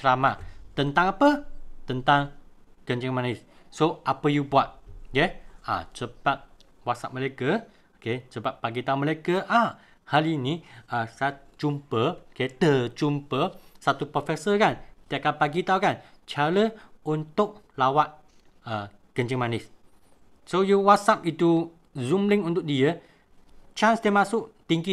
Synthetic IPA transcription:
t͡ʃəɾamat̪ənt̪aŋapət̪ənt̪aŋɡ̥əɲd͡ʒəŋmanɪssoʔapəjubuat̪̚jɛa̰səbap̚ | wasa̰ʔ̚məlakə | okesəbap̚ːaɡit̪auməlakəʔa | haliniasaat͡ʃumpəoket̪ət͡ʃumpəsat̪upɾofɛsəkant̪iakanpaɡit̪aukant͡ʃaɾəunt̪ʊk̚ | lawaʔ | ə | kəɲd͡ʒəŋmanɪs | sojuwasap̚it̪u | zumlɪŋunt̪ʊk̚diə | t͡ʃansd̪iəmasʊʔt̪iŋɡi

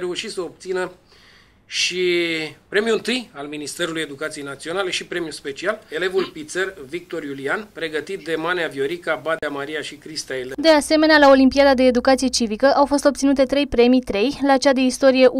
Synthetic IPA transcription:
ɾe̞uʃit̪səop̚t̪sinə | ʃipɾe̞mjuɨnt̪ɨjalminist̪e̞ɾuluje̞d̪ukat̪sijejnat̪sionale̞ʃipɾe̞mjuspe̞t͡ʃiale̞le̞vulpit̪servik̚t̪o̞ɾjulianpɾe̞ɡət̪it̪̚d̪e̞maneavjo̞ɾikabad̪eamaɾijaʃikɾist̪aeləd̪e̞ase̞me̞nealao̞limpijad̪ad̪e̞ːd̪ukat̪sije̞t͡ʃivikəʔawfo̞st̪opt̪sinut̪e̞t̪ɾe̞jpɾe̞mit̪ɾe̞jlat͡ʃad̪e̞ist̪o̞ɾije̞ʔ

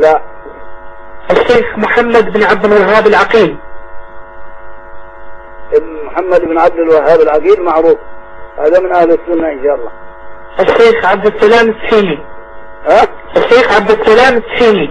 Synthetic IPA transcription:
laʔ | ʔaʃːeːxmʊħamːad̪ɪbnʕab̚d̪ɪlwaɦːaːbɪlʕaqiːl | mʊħamːad̪ɪbnʕab̚d̪ɪlwaɦːaːbɪlʕaqiːlmaʕɾuːfha̰ːðamɪnʔahlɪsːʊnːaʔɪnʃɑːlˤːɑ̰ | ʔaʃːeːxʕab̚d̪ɪsalaːmsħiːni | haʔaʃːeːxʕabd̪ɪsːalaːmsħiːni

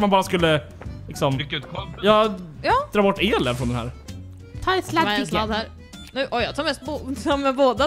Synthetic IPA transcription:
manbɑːɾaskɵlːə | lɪksɔmɾkːʉːt̪kʰjɑːjɑːd̪ɾɑːbɔʈːeːlɛnfɾɔnd̪ɛnæ̰ːɾ | t̪ʰɑːɾɛt̪slslɑd̪hæɾ | nʉ̟ːʔɔjɑt̪ʰɑːɾmɛst̪̚boɑmɛboːd̪a

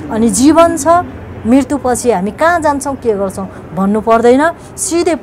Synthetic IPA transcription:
ʌnid͡zibʌnt͡sʰʌ | mrirt̪upʌt͡sʰiɦamikãd͡zant͡sʰʌw̃keɡʌrt͡sʰʌ̃w̃ | bʱʌnːupʌrd̪ʌjnʌ | sid̪ʱep

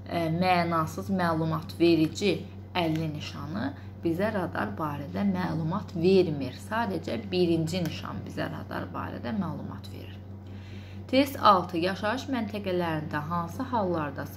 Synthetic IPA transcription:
mæːnɑsɯzmæːlˠumɑt̪ʰve̞ɾid͡ʒi | ælːiniʃɑnɯ | b̥izæɾɑd̪ɑ̰ɾbɑːɾæd̪æmæːlˠumɑt̪ʰve̞ɾmiɾsɑːd̪æd͡ʒæbiɾind͡ʒiniʃɑ̰nbizæ̰ɾɑ̰d̪ɑ̰ɾbɑ̰ːɾæ̰d̪æmælˠumɑ̰t̪ve̞̰ɾiɾ | t̪ʰe̞st̪ɑlˠt̪ʰɯjɑʃɑɯʃmænt̪ʰæɡælæɾind̪æɦɑnsɯɦɑlˠːɑɾd̪ɑ

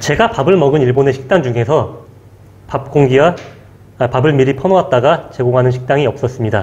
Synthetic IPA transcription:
t͡ɕe̞ɡapabɯɭmʌɡɯniɭbone̞ɕʰi̥k̚t͈aŋd͡ʑuŋe̞sʰʌ | pap̚k͈oŋɡiwa | pabɯɭmiɾipʰʌnoʌat̚t͈aɡat͡ɕe̞ɡoŋɦanɯnɕʰi̥k̚t͈aŋiʌp̚s͈ʌs͈ɯmɲida

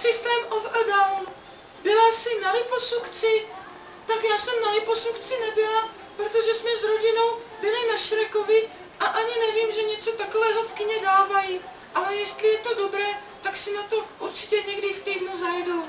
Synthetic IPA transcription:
sɪst̪ɛːmofədawn | bɪlasɪnalɪposukt͡sɪ | t̪akjaːsɛmnalɪposukt͡sɪnɛbɪla | pɾot̪oʒɛsmɛzɾo̞ɟɪno̞wbɪlɪnaʃɪɾɛko̞vɪ | ʔaʔaɲɪnɛviːmʒɛɲɛt͡so̞t̪akovɛːɦofkɪɲɛdaːvaji | ʔalɛjɛst̪lɪjɛt̪o̞do̞bɾɛː | t̪aksɪnat̪o̞ʔuɾt͡ʃɪ̥cɛɲɛɡdɪft̪ijdnuzajdow

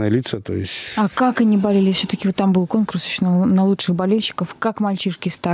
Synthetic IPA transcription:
əjəlʲit̪sət̪o̰jɪ̰sʲtʲɐkakɐnʲibɐlʲelʲɪfsʲɵt̪əkʲɪvot̪ːambɨlˠko̞nkʊrsoɕnnɐlˠutʂɨxbɐlʲelʲɕɪ̥kəfkakmɐlʲt͡ɕiʂkʲɪst̪a

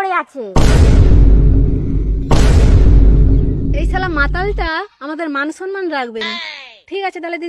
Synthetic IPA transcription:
ɾeat͡ɕʰe | ejt͡ɕʰalamat̪alʈaamad̪eɾmanʃɔnmanɾakʰbenʈʰikat͡ɕʰed̪aled̪i

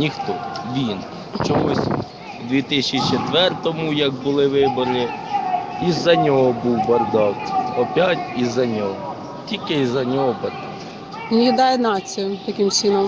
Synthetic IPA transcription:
nʲixt̪ɔʋʲin | t͡ʃɔmusʲ | d̪ʲʋʲit̪ɪsʲt͡ʃit͡ʃet̪ʋɛrt̪ɔmujɐɡbʊlˠɪʋɪbɔɾi | izːɐnʲɔɦɔbuwbɐrd̪ɑwt̪ɔpʲjatʲizɐnʲɔɦɔ | tʲilʲkɪizɐnʲɔɦɔbɐrd̪ɑ | nʲid̪ɑjɛnɑt͡sʲijʊt̪ɐkʲɪmt͡ʃʲinɔm

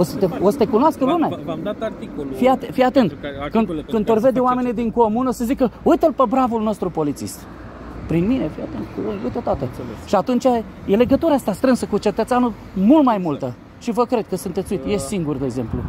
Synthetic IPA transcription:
osət̪eosə̥t̪ekunoaskəlumea | fiat̪fijat̪e̞nt̪kɨnd̪kɨnd̪orve̞d̪eoame̞nid̪iŋko̞munosəzikəujt̪əlpəbɾavulno̞st̪ɾupo̞lit̪sḭst̪ | pɾinminefijat̪ent̪koujt̪ət̪wat̪eʃiat̪unt͡ʃʲa | je̞le̞ɡət̪uɾaast̪ast̪ɾɨnsəkut͡ʃet̪ət̪eanu | mult̪majmult̪ə | ʃivəkɾe̞d̪̥̚kəsunt̪et̪suit̪je̞siŋɡurd̪eeɡze̞mplṵ

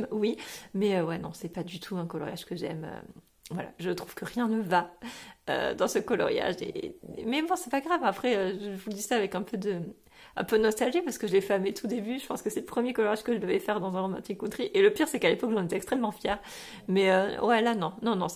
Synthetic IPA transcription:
mwimɛøwɛnɔ̰̃sɛpad̪yt̪ʰuɛ̃kɔlɔ̰ʁja̰ʒkəʒɛ̰mø̰ | vwala̰ʒət̪χuv̥kəʁjɛ̃nəva | ø̰d̪ɑ̃səkɔlɔ̰ʁja̰ʒḛmɛbɔ̃sɛpaɡʁavapχɛøʒəəvud̪isaavɛkɛ̃pʰød̪ə | ɛ̰̃pønɔst̪alʒipaʁsə̥kəʒəlefamet̪ʰud̪ebyʒəpɑ̃skəsɛləpχəmjekɔlɔʁjaʒkəʒəd̪əvɛfɛʁd̪ɑ̃zɛ̃ʁɔmɛ̰̃t̪ʰikũt̪χiʔeləpiʁsɛkalepɔkʒɑ̃net̪ɛkst̪χɛmːɑ̃fjɛːʁ | mɛøwɛlanɔ̃nɔ̃nɔ̃

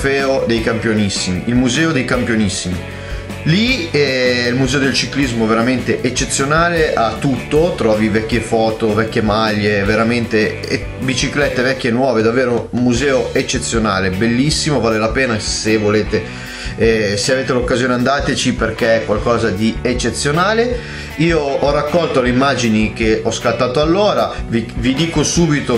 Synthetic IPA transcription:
fɛːod̪ejkampjonisːimiilmuzɛːod̪ejkampjonisːimi | liɛilmuzɛːod̪elt͡ʃiklizmoveɾament̪eʔet͡ʃːet̪sːjonaːleʔat̪ːut̪ːot̪ɾɔːvivɛkʲːefɔːt̪ovɛkʲːemaʎːeveɾament̪e | bit͡ʃiklɛt̪ːevɛkʲːjenwɔːved̪aveːɾunmuzɛːoet͡ʃːet̪sːjonaːlebelːisːimovaːlelapeːnasevoleːt̪e | seaveːt̪elokːazjoːneand̪aːt̪et͡ʃiperk̟eɛkːwalkɔːzad̪iet͡ʃːet̪sːjonaːle | iːoɔrakːɔlt̪oleimːaːd͡ʒinik̟eɔskalt̪ːaːt̪oalːoːɾavivid̪iːkosuːbit̪o

